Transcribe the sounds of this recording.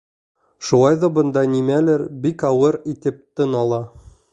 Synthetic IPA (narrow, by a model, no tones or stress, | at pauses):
ʃulˠɑjðɑbɤ̆nd̪ɑnimælɘɾbikɒwɤɾit̪ɘ̆p̚t̪ɘnɒlˠɑ